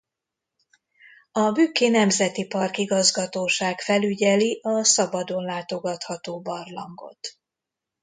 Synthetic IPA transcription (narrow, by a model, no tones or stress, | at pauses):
ɒbyːkːeːnɛmzɛt̪ipɒrkiɡɒzɡɒt̪oːʃaːkfɛlyɟɛliʔɒsɒbɒd̪o̞nlaːt̪o̞ɡɒt̪hɒt̪oːbɒrlɒ̰ŋɡo̞̰t̪